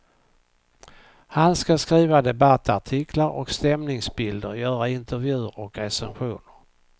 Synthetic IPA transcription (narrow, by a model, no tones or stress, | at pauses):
hanskaskɾiːvad̪ɛbat̪ʰːaʈʰɪkʰlaɾʔɔ̰kst̪ɛmnɪŋsbɪld̪əɾjœːɾaɪnt̪ʰəɾvjʉ̟ːɾɔkɾɛsɛnɧuːnəɾ